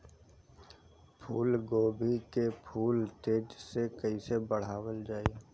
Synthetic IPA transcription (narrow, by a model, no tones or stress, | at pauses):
pʰuːlɡoːbʱikepʰuːlt̪eːd͡ʒsekəisebəɽ̤aːwəld͡ʒaːie